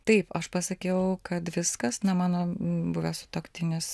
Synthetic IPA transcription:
t̪ɐɪpɐʃpɐsɐkʲɛʊkɐt̪ʋʲɪskɐsnɐmɑːnoːbʊʋʲɛsʊ̥t̪oːkt̪ʲɪnʲɪs

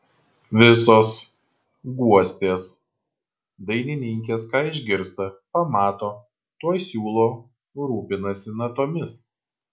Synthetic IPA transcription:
ʋʲɪsoːs | ɡuɔsʲt̪ʲeːs | d̪ɐɪnʲɪnʲɪŋʲkʲeːskɑːɪʒʲɡʲɪɾst̪ɐpɐmɑːt̪oː | t̪uɔjsʲuːlˠoː | ɾuːpʲɪnɐsʲɪnɐt̪oːmʲɪs

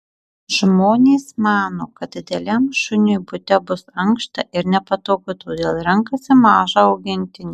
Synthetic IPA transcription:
ʒmoːnʲeːsmɑːnoːkɐt̪̚d̪ʲɪd̪ʲɛlʲɛmʃʊnʲojbʊt̪ʲɛbʊsɐŋkʃt̪ɐʔɪɾnʲɛpɐt̪oːkʲʊt̪oːd̪ʲeːlˠɾʲɛŋkɐsʲɪmɑːʒɐɐʊɡʲɪnʲt̪ʲɪnʲeː

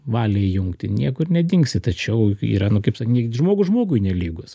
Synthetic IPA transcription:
ʋɑːlʲeːjʊŋkt̪ʲɪnʲiɛkʊɪɾnʲɛd̪ʲɪŋksʲɪt̪ɐt͡ʃʲɛʊḭːɾɐnʊkɐɪpsɑknʲiʒmoːɡʊʒmoːɡʊɪnʲɛlʲiːɡos

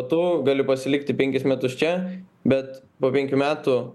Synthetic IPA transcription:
t̪uːɡɑːlʲɪpɐsʲɪlʲɪk̚t̪ʲɪpʲɛŋʲkʲɪsmʲɛt̪ʊst͡ʃʲɛ | bʲɛt̪poːpʲɛŋʲkʲuːmʲæːt̪u

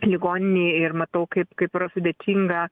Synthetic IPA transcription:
lʲɪɡoːnʲɪnʲiːɪrmɐt̪ɐʊkɐɪpkɐɪpɾɐsʊd̪ʲɛːt̪ʲiŋɡɐ

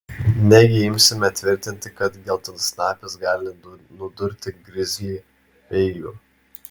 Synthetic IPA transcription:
nʲæɡʲɪɪmʲsʲɪmʲɛt̪ʲʋʲɪɾʲt̪ʲɪnʲt̪ʲɪkɐt̪ɡʲɛlˠt̪ɐnsnɑːpʲɪsɡɑːlʲɪnʊd̪ʊɾʲt̪ʲɪɡɾʲɪzʲ | ɛɪjʊ̰

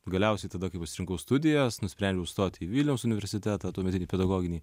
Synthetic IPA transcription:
ɡɐlʲɛʊsʲɛɪt̪ɐd̪ɐkɐɪpɐtsʲɪɾʲɪŋkɐʊst̪ʊd̪ʲɪjɛsnʊsʲpʲɾʲɛnʲd͡ʒʲɛʊst̪oːt̪ʲiʋʲiːlʲnʲɛʊmsʊnʲɪʋʲɛɾʲsʲɪt̪ʲæːt̪ɑt̪uːmʲɛtʲɪnʲiːpʲɛd̪ɐɡoːɡʲɪnʲiː

